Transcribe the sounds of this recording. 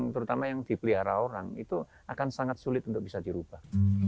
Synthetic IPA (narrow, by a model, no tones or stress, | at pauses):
ŋt̪əɾut̪amajaŋd̪̥ipəliɦaɾaoɾa̰ŋit̪u | akansaŋat̪̚sulɪt̪unt̪ʊk̚b̥isad̪iɾub̥ah